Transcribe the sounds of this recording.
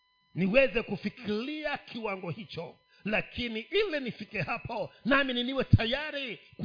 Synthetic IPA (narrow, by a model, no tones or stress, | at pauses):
niwɛzɛkufikʰiɾiakʰiwaŋɡɔhit͡ʃɔ | lakʰiniʔilɛnifikɛhapɔnamininiwɛtʰajaɾik